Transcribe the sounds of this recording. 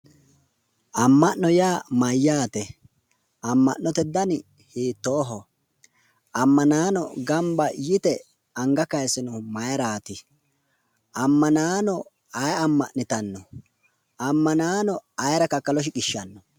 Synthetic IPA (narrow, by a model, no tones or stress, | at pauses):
ʔɐmːɐʔnɔjaːmɐjːaːt̪ɛ | ɐmːɐ̰ʔnnːɔt̪ɛd̪ːɐnɪ | hiːt̪ːoːɦɔ | ʔɐmːɐnaːnɔɡɐmbɐjɪt̪ɛ | ɐŋɡɐkɐjsɪnʊmɐjɐɾaːt̪ɪ | ɐmːɐnaːnɔ | ɐjɐmːɐʔnɪt̪ɐnːɔ | ɐmːɐnaːnɔɐjɾɐkɐkːɐlɔʃ̬ɪkɪʃːɐnːɔ